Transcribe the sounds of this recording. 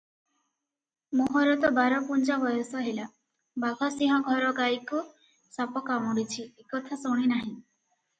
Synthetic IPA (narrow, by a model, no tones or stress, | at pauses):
moɦɔɾɔt̪ɔbaɾɔpund͡ʒabɔjɔsɔɦela | baɡʱɔsĩɦɔ̃ɡʱɔɾɔɡajku | sapɔkamɔɽit͡ʃʰiekɔt̪ʰasoɽ̃inaɦĩ